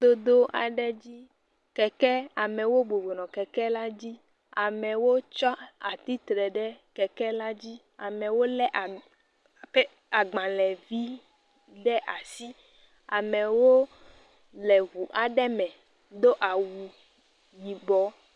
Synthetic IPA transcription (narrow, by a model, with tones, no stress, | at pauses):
d̪o˦d̪o˦ʔa̰˨ɖɛ˦d͡ʑi˦ | kɛ˨kɛ˦a˨mɛ̃˨wo˦bo˨bo˨nɔ̃˨kɛ˨kɛ˦la˦d͡ʑi˦ | a˨mɛ̃˨wo˦t͡ʃɔ˦a˨t̪i˦t̪ɾɛ˨ɖɛ˦kɛ˨kɛ˦la˦d͡ʑi˦ | a˨mɛ̃˨wo˦lɛ˦ʔa˨ | pɛ˦ | a˨ɡ͡bã˨lɛ˨vi˦ | ɖɛ˦ʔa˨si˦ | a˨mɛ̃˨wo˦ | lɛ˨ɣu˨ʔa˨ɖɛ˦mɛ̃˨ | d̪o˦ʔa˨wu˨ | ɲi˨bɔ˨˦